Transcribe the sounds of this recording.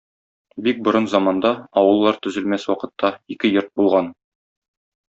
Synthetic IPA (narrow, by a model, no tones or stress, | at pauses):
bik̚bŏɾɤnzɑmɑnd̪ɑɒwɤ̆lˠːɑɾt̪ɵ̆zɘ̆lmæswɒqɤ̆t̪ːɑikɘjoɾt̪̚bulˠʁɑn